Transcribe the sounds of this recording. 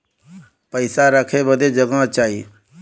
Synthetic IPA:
pəɪsaɾəkʰebəd̪ed͡ʒəɡãt͡ʃaːi

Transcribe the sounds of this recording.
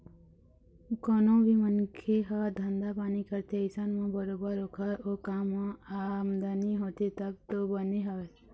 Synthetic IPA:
kɔːnõbʱimənkʰeɦad̪ʱə̃nd̪apaːnikəɾt̪eɪsənmãbəɾoːbəɾokʰaoːkaːmãamd̪aniɦoːt̪et̪ək̚t̪obəneɦae

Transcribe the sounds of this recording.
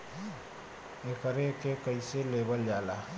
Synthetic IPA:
ekəɾekekəiselebəld͡ʒala

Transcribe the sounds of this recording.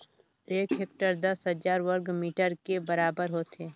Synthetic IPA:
eːkɦeːk̚ʈəɾd̪ɐsɦəd͡ʒaːɾʋəɾɡmiːʈəɾkebɐɾaːbəɾɦoːt̪eː

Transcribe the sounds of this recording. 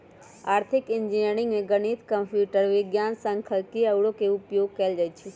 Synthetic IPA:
aːɾt̪ʰɪkɪnd͡ʒiniəɾɪ̃ŋɡmẽɡəɽ̃it̪kəmpʰjuːʈəɾʋɪɡjaːnsə̃ŋkʰəlkiəʋɽokeʊpjoːɡ̚kəːld͡ʒət͡ʃʰe

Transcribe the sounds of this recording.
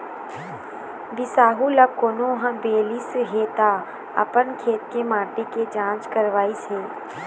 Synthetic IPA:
bɪsaːɦuləkoːnoɦə̃beːliːsɦet̪a | ɐ̰pənkʰeːt̪̚kemãːʈeked͡ʒãːt͡ʃkəɾʋaːiseː

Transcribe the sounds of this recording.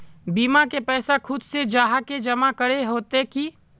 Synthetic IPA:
biːmakepɛːsakʰʊd̪sed͡ʒaːɦaked͡ʒɐmakəɽeɦoːt̪eki

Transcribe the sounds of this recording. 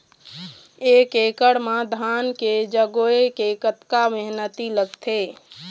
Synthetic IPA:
eːkekəɽmãd̪ʱaːnked͡ʒəɡoekekət̪kaʋɪɦnət̪iləɡt̪ʰe

